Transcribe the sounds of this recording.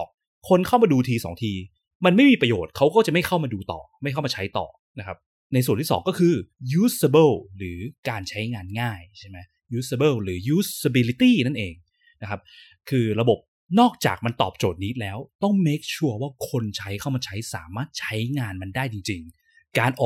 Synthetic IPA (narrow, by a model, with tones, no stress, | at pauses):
ŋ̚ | kʰo˧nkʰa˥˩wmaː˧duː˧t̪ʰiː˧sɔ̰ː˩˦ŋt̪ʰiː˧ | ma˧nma˥˩jmiː˧pɾa˧joː˨˩t̪̚kʰa˦˥wkɔː˥˩t͡ɕa˨˩ʔma˥˩jkʰa˥˩wmaː˧duː˧t̪ɔ̰ː˨˩ma˥˩jkʰa˥˩maː˧t͡ɕʰa˦˥jt̪ɔ̰ː˨˩ | na˦˥kʰa˦˥p̚ | na˧js̬u˨˩nʰiː˥˩ɔ̰ː˩˦ŋkɔː˥˩kʰɯː˧juː˦˥sa˧bɤ˥˩ɾɯː˩˦kaː˧nt͡ɕʰa˦˥jŋaː˧nŋaː˥˩jt͡ɕʰa˥˩ma˦˥j | juː˦˥sa˧bɤː˥˩lɾɯː˩˦juː˦˥ssa˧bi˧li˧˥t̪iː˥˩na˥˩nʔeː˧ŋ | na˦˥kʰa˦˥p̚ | kʰɯː˧ɾa˧bo˨˩p̚ | nɔː˥˩k̚t͡ɕa̰ː˨˩k̚ma˧nt̪ɔː˨˩p̚t͡ɕoː˨˩t̪̚ni˦˥t̪̚lɛː˦˥wt̪ɔ˥˩ŋmeː˦˥k̚t͡ɕʰu˥˩ɐwaː˥˩kʰo˧nt͡ɕʰa˦˥jkʰa˥˩wmaː˧t͡ɕʰa˦˥jsa̰ː˩˦maː˥˩t̪̚t͡ɕʰa˦˥jŋaː˧nma˧ndaː˥˩jt͡ɕi˧ŋt͡ɕi˧ŋ | kaː˧nʔɔː˨˩